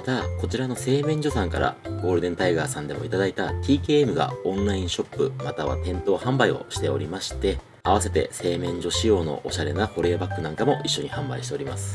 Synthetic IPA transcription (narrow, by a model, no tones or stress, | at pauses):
mat̪ako̞t͡ɕiɾano̞se̞ːmẽ̞ɲ̟d͡ʑo̞sãŋkaɾa̰ɡo̞ːɾɯ̟d̪ẽ̞nt̪aiɡaːsãnd̪e̞mo̞it̪ad̪ait̪at̪ʲiːke̞ːemɯ̟ɡa̰õ̞nɾaĩɰ̃ɕo̞pːɯ̟mat̪aβa̰t̪ẽ̞nt̪o̞ːhãmbaio̞̰ɕi̥t̪e̞o̞̰ɾʲimaɕi̥t̪e̞ | aβase̞t̪e̞̰se̞ːmẽ̞ɲ̟d͡ʑo̞ɕijo̞ːno̞̰ʔːɕaɾe̞naɸo̞ɾe̞ːabakːɯnãŋkamo̞ʔiɕːo̞ɲ̟ihãmbaiɕit̪e̞o̞ɾimasɨ̥